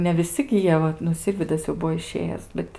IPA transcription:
nʲɛ ʋʲɪˈsʲɪ ɡʲɪ ˈjiɛ ʋɐt nʊ ˈsʲɪrʲʋʲiːdɐs jɛʊ ˈbʊʋoː ɪˈʃʲeːjæːs ˈbʲɛt

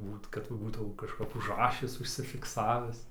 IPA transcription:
ˈbuːt kɐt ʋɐ ˈbuːtɐʊ kɐʃˈkɐp ʊʒˈrɑːʃʲɪs ʊʃʲsʲɪfʲɪkˈsɑːʋʲɪs

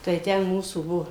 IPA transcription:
tɐɪ ˈtʲɛn ˈmuːsuː ˈbuɔ

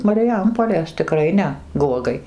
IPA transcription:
mɐrʲɪˈjɛmpoːlʲeːs tʲɪˈkrɐɪ nʲɛ ˈɡuɔɡɐɪ

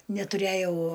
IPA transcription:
nʲɛtʊˈrʲæjɛʊ

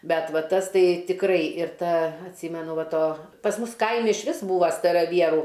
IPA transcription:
ˈbʲɛt ˈʋɐ ˈtɐs ˈtɐɪ tʲɪkˈrɐɪ ɪr ˈtɐ ɐtʲˈsʲiːmʲɛnʊ ˈʋɐ ˈtoː pɐs ˈmʊs ˈkɐɪmʲɪ ɪʃʲˈʋʲɪs ˈbuːʋɐ stɐrɐˈʋʲiɛruː

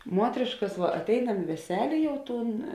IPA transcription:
ˈmuɔtʲrʲeːʃkɐs ˈʋɐ ɐtʲˈɛɪnɐm ɪ ʋʲɛˈsʲæːlʲeː ˈjɛʊ ˈtuːn

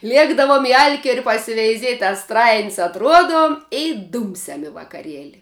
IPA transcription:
ˈlʲiɛɡdɐʋoːm ɪ ˈɐlʲkʲiɛrʲɪ pɐsʲɪʋʲɛɪˈzʲiɛtʲ ɐ ˈstrɐɪnʲsʲ ɐtˈruɔdoːm ɪ ˈduːmʲsʲɛm ɪ ʋɐkɐˈrʲiɛlʲɪ

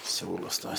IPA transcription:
ˈsʲuːlˠʊs ˈtuɔs

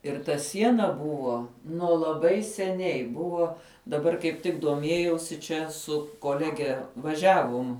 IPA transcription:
ɪr tɐ ˈsʲiɛnɐ ˈbʊʋoː nuɔ lˠɐˈbɐɪ sʲɛˈnʲɛɪ ˈbʊʋoː dɐˈbɐr kɐɪp ˈtʲɪk duɔˈmʲiɛjɛʊsʲɪ ˈt͡ʃʲɛ ˈsʊ koːˈlʲæːɡʲɛ ʋɐˈʒʲæːʋʊm

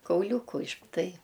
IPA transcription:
kɐʊˈlʲuːkʊ ɪʃ ˈtɐɪ

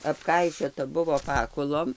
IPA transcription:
ɐpˈkɐɪʃʲoːtɐ ˈbʊʋoː ˈpɑːkʊlˠoːm

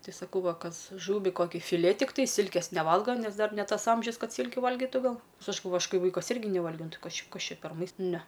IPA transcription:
ˈtɐɪ sɐˈkɐʊ ˈʋɐ ˈkɐs ˈʒuːʋʲiː ˈkoːkʲɪ fʲɪˈlʲeː tʲɪkˈtɐɪ ˈsʲɪlʲkʲeːs nʲɛˈʋɐlˠɡɐ ˈnʲɛs ˈdɐr nʲɛ ˈtɐs ˈɐmʲʒʲʊs ˈkɐt ˈsʲiːlʲkʲʊ ˈʋɐlʲɡʲɪtʊ ˈɡɐlˠ ˈnʲɛs ˈɐʃ ɡɐlˠˈʋoːjʊ ˈɐʃ ˈkɐɪ ˈʋɐɪkɐs ˈɪrʲɡʲɪ nʲɛˈʋɐlʲɡʲɛʊ ˈnʊ ˈtɨ ˈkɐs ˈt͡ʃʲɛ ˈkɐs ˈt͡ʃʲɛ pʲɛr mɐɪs ˈnʲɛ

